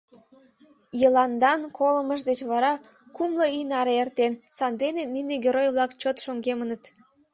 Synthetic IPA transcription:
jəlɑnd̪ɑnkʰoləməʃd̪et͡ɕβɑɾɑ | kumloinɑɾeert̪ensɑnd̪enenineɡʲeɾojβlˠɑkt͡ɕot̪ʃoŋɡemənət̪

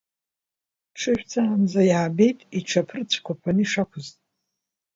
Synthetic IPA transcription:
ʈ͡ʂʰɨʃᶣʷt͡sʰand͡zajaːbe̞jtʼiʈ͡ʂʷʰapʰrt͡ɕʷʰkʷʰapʰanɨiʂakʷʰʊztʼ

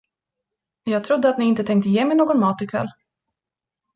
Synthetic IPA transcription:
jɑːɡt̪ʰɾʊd̪ːəat̪nɪɪnt̪ət̪ʰɛŋkt̪əjeːmɛjnoːɡɔnmɑːt̪ɪkʰv̥ɛ̰lː

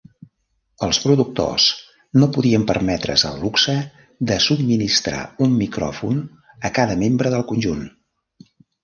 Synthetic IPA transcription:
əlˠspɾuðuk̚t̪o̰s | nopuðiəmpərmɛt̪ɾə̰zə̰lˠːuksə | d̪əsub̚minist̪ɾa̰umːikɾɔ̰fun | əkaðəmembɾəðəlˠkunʲʒun

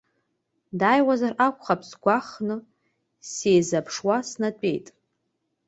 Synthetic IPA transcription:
dajwazarakʷʼχapʼʰsɡʷaχnɨ | sejzapʰʂwasnatʷʼe̞̰jtʼ

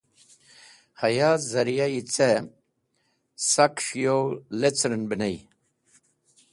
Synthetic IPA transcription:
hɐjazɐɾjait͡se | sakʂjowlet͡sɾənbənaj

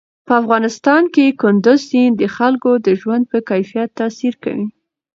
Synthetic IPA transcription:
pəafɣɑnɪst̪ɑnkekʊnd̪ʊzsind̪əxalkod̪əʒwand̪̚pəkajfijat̪ːɑsiɾka̰wi

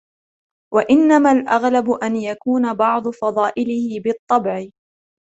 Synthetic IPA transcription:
waʔɪnːamalʔaɣlabʊʔanjakuːnabɑʕd̪ˤʊfɑd̪ˤɑːʔɪlɪhɪbɨt̪ˤːɑbʕɪ

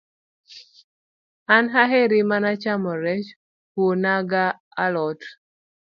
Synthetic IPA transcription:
anɦaɦeɾimanat͡ʃamɔɾɛt͡ʃ | wonaɡaː | lɔt

